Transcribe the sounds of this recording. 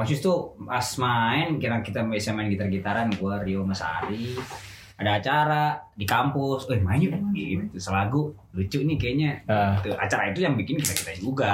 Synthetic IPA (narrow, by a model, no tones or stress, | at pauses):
asust̪uasmaɪnkiɾaŋkit̪abesamaɪnɡit̪arɡit̪aɾanɡuaɾioməsa̰ɾi | adaːt͡ʃaɾadikampʊsɛmajuʔiɡit̪usəlaɡu | lut͡ʃʊʔnikaaɲaət̪ua̰t͡ʃaɾait̪ujaŋbikɪnkit̪akit̪ad͡ʒuɡa